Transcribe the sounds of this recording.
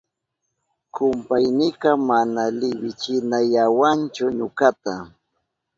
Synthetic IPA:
kʊmpajnɪqɑmanalɪwɪt͡ʃɪnajawant͡ʃʊɲokat̪a

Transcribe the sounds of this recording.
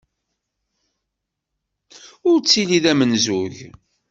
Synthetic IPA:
ʊɾt͡sːiliðæmənzʊʝ

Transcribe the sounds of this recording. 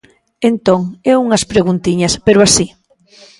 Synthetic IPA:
ent̪oŋɛuŋɐspɾeɣunt̪iɲɐspeɾʊasi

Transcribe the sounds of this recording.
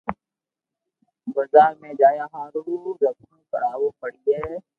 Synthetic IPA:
bəzaːɾmẽːd͡ʒaːjaːɦãːɾuːzəknũːkəɽaːwoːpəɽieː

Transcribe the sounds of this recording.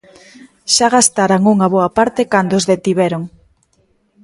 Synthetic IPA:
ʃaɣast̪aɾaŋuŋaβoapaɾt̪ekand̪oʊzðet̪iβɛɾoŋ

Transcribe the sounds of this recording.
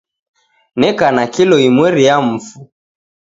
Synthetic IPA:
nɛkanakilɔimwɛɾijam̩fu

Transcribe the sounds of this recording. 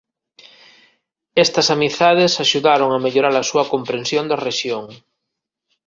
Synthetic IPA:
est̪asamiθt̪að̞esaʃuðaɾoŋameʎoɾaɾasuakompɾẽnsjond̪areʃjoŋ

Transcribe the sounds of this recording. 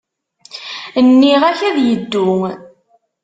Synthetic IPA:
nːiʁæçæðjəd̪ːʊŋ

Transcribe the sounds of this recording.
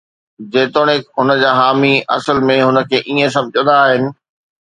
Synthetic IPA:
d͡ʑeːt̪oːɽ̃ɪkɦʊnəd͡ʑaːɦaːmiʔɐ̰səlmẽɦʊnə̆kʰeːʔiːẽs̬ɐ̃mbʱd͡ʑə̃nd̪aːɦɪnɪ̆

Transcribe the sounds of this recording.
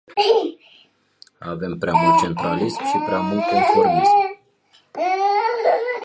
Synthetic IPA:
a̰ve̞mpɾeamult̪̚t͡ʃe̞nt̪ɾalismʃipɾeamult̪ifu

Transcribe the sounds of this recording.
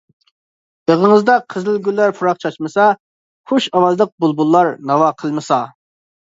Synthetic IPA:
b̥əʁəŋəzd̪ɑqʰəzlɪlɡʲylːæɾpʰuɾɑqt͡ʃʰɑt͡ʃmɨsɑ | χoʃɑwɑzlˠəq̚bulˠbulˠːɑɾnɑwɑqʰəlˠmɨsɑ

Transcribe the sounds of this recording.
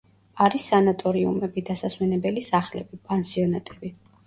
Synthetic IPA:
aɾisːanat̪ʼɔɾiṵmɛbid̪asaswɛnɛbɛlisaχlɛ̰bipʼansiɔnat̪ʼɛbi

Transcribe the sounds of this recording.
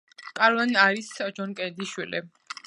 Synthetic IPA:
kʼaɾvaniaɾisd͡ʒɔnkʼɛd̪iʃwilḭ

